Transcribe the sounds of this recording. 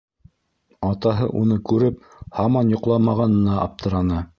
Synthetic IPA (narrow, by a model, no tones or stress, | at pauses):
ɑt̪ɑɦɤ̰ʔunɤkʉɾɘp | hɑmɑnjŏqlˠɑmɑʁɑnɤ̆nɑʔɑ̰p̚t̪ʰɤ̆ɾɑnɤ